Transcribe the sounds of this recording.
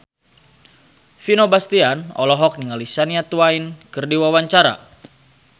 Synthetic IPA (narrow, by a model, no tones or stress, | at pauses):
finobast̪ianɔ̰lɔɦɔk̚niŋalisaniat̪uainkɨrdiwawaɲt͡ʃaɾa̰